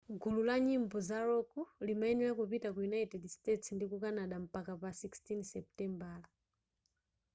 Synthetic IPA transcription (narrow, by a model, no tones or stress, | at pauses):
ɡululaɲimbɔzaɾɔkulimainɛakupitakujunaitɛdstɛtsndikukanaɗam̩pakapasikstinsɛp̚tɛmbal